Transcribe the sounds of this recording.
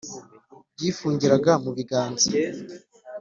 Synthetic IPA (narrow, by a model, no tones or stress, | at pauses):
b̚ɟiːfuːɲɟiɾaɡamuβiɡaːnzi